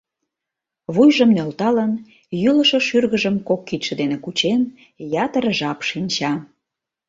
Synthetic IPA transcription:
βujʒəmnølt̪ɑlən | jyləʃŏʃyrɣəʒəmkokːit̪ʃə̆d̪enekut͡ɕen | jɑt̪əɾəʒɑpʃinʲt͡ɕɑ

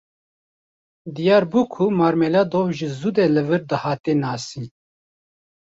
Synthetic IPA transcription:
d̪ijɑːɾbuːkʰumaːɾmelaːd̪oːwʒɨzud̪eːlɨvɨɾd̪ɨhaːt̪eːnaːsiː

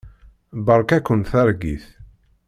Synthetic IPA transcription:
bəɾˤkækːənθæɾˤɡḭθ

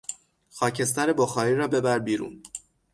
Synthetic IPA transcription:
xɒːcʰe̞s̬t̪æɾe̞boxɒːɾiːɾɒːbe̞bæɾbiːɾṵːn

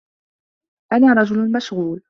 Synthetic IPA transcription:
ʔanaːɾˤɑd͡ʒʊlnmaʃɣuːl

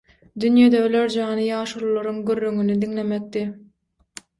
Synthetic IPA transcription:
d̪ynjed̪eøløɾd͡ʒɑːnɯjɑːʃuɾlˠoɾuŋɡyrːøŋynyd̪iŋle̞mek̚t̪i

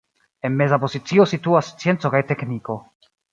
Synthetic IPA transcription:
e̞nme̞zapo̞zit͡sio̞situast͡sie̞nt͡so̞kajte̞kniko̞

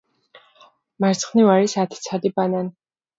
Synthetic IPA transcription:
maɾt̪sʰχnivaɾisat̪ʰt̪sʰad̪ibanan

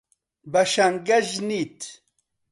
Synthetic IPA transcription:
baʃaŋɡaʑnit̪

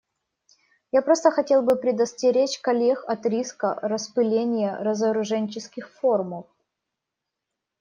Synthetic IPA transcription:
japɾo̞st̪əxɐtʲe̞lˠbɨpɾʲɪd̪əsʲtʲɪɾʲet͡ɕkɐlʲexɐt̪ɾʲiskə̰rəspɨlʲenʲɪjəɾəzəɾʊʐɛnʲt͡ɕɪskʲɪxforməf

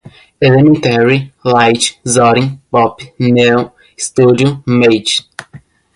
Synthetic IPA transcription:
elĩmẽnt̪ɛɹilajt͡ʃzɔɾĩŋpɔpnew | st̪udiomejd͡ʒ

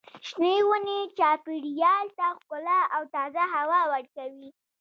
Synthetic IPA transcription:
ʃnewunet͡ʃɑpiɽjɑlt̪axkʊlaawt̪ɑzaɦawɑwaɽkawi

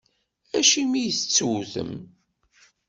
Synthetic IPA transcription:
æʃimijəθt͡sːuθə̰m

